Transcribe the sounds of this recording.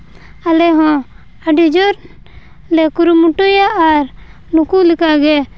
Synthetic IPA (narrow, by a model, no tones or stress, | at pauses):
alɛɦɔ̃ | aɖid͡ʒɔɾ | lɛkuɾumuʈujaːɾ | nukulikaɡɛ